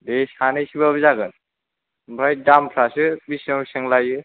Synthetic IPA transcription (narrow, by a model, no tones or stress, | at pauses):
desanɯjsibabzaɡɯn | bɾaj̚dampʰɾasɯbisɔŋisɯŋlajɯ